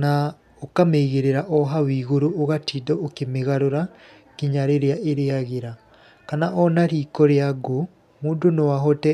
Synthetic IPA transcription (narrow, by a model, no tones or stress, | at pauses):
na | okameɣeɾeɾaʔɔɦawiːɣoɾoːɣatidɔokemeɣaɾoɾa | kiɲaɾeɾeaʔeɾeaɣeɾa | kanaʔɔnaɾiːkɔɾeaɡo | muːndonowaɦɔtɛ